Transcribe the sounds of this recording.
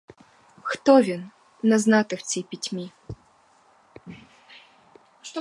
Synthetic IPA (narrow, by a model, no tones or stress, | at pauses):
xt̪ɔvʲinː | ɐznat̪ɨxt͡sʲipʲit͡sʲmʲi | ʂt̪